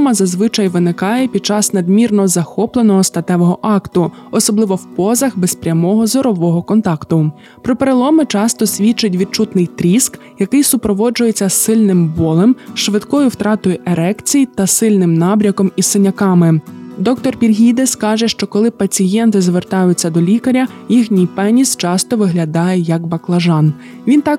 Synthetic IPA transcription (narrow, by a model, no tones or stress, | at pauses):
mɐzɐzʋɪt͡ʃɐjʋɪnɪkɑjɛpʲid̪̚t͡ʃɑsnɐd̪mʲirnɔzɐxɔplˠenɔɦɔst̪ɐt̪ɛʋɔɦɔʔɑkt̪ʊ | ɔsɔblˠɪʋɔwpɔzɐxbespɾʲɐmɔɦɔzɔɾɔʋɔɦɔkɔnt̪ɑkt̪ʊ | pɾɔpeɾelˠɔmɪt͡ʃɑst̪ɔsʲʋʲit͡ʃɪtʲʋʲid̪̚t͡ʃut̪nɪjt̪ɾʲisk | jɐkɪjsʊpɾɔʋɔd͡ʒʊjet͡sʲːɐsɪlʲnɪmbɔlˠɛmʃʋɪd̪kɔjʊwt̪ɾɑt̪ɔjʊʔeɾɛkt͡sʲijit̪ɐsɪlʲnɪmnɑbɾʲɐkɔmisɪnʲɐkɑmɪd̪ɔkt̪ɔrpʲirɦʲid̪ɛskɑʒɛʃt͡ʃɔkɔlˠɪpɐt͡sʲijɛnt̪ɪzʋert̪ɑjʊt͡sʲːɐd̪ɔlʲikɐɾʲɐjixnʲijpɛnʲist͡ʃɑst̪ɔʋɪɦlʲɐd̪ɑjɛjɐkbɐklˠɐʒɑn | ʋʲint̪ɑk